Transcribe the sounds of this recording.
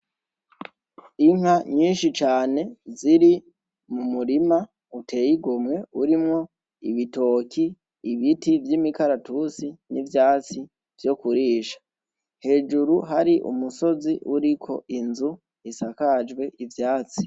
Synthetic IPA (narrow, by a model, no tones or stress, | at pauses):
iŋhaɲiːnʃit͡ʃaːne̞ziɾi | mumuɾima | utʰe̞ːjiɡomŋe̞uɾimŋo̞ | iβito̞ːkʰiː | βitivjimikaɾatusinivjaːt͡si | v̥jo̞kuɾiːʃḁ | he̞ːd͡ʒuɾuɦaɾiʔṵmuso̞ziʔuɾikʰo̞̰ʔinzu | isakad͡ʒɡwe̞ʔivjaːt͡si̥